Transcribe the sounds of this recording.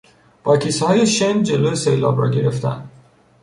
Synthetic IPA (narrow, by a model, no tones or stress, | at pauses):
b̥ɒkʰishɒːjeʃend͡ʒelojesejlɒ̰bɾɒ̰ɟeɾeft̪ʰæ̰nd̪